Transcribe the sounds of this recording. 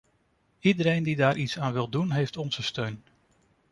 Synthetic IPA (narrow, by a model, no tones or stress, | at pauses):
idəɾejndidaːɾʔitsaːnʋɪlˠdunɦejftɔnz̥əstøɥn